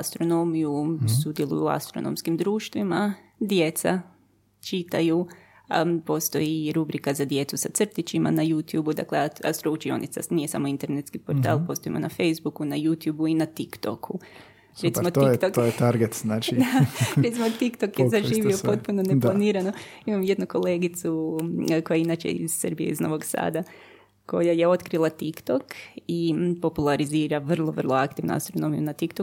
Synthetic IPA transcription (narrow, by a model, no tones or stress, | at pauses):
ast̪ɾo̞no̞mijusud̪jelˠṵjua̰st̪ɾo̞̰no̰mskimd̪ɾuːʃt̪ʋima | d̪je̞t̪sa̰ | t͡ʃit̪aju | po̞st̪o̞jiɾubɾikazad̪je̞t̪susat̪sr̩t̪it͡ʃima̰najut̪juːbud̪a̰kleaast̪ɾout͡ʃio̰nḭt̪sa̰nije̞sa̰moint̪e̞ɾnet̪skipo̞ɾt̪a̰ːlˠpo̞st̪oḭmo̰nafejzbukunajut̪juːbuinat̪ikt̪o̰kʰu | ɾeimot̪ːjt̪ok̪ojet̪aɾɡet̪znaːt͡ʃid̪aɾet̪simot̪ikt̪okjezaʒiːʋiopo̞t̪̚punone̞planiːɾano̞imamje̞d̪nuko̞le̞ːɡit̪suko̞jainat͡ʃḛḭz̥srbijeizno̞̰ʋo̞ɡsa̰ːd̪a | ko̞̰jajeo̞t̪kɾilˠat̪ikt̪o̞kipo̞pulˠaɾiziːɾaʋr̩lˠoʋərlˠoakt̪iʋnṵa̰st̪ɾo̞no̞mijṵnat̪ikt̪o